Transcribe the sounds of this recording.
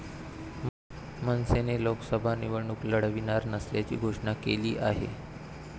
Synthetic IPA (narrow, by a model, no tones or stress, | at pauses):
mənseneloksəbʱaniʋəɾɳukləɽʋinaɾnəsljat͡ɕḭːɡʱoʂɳakeliːʔaɦḛ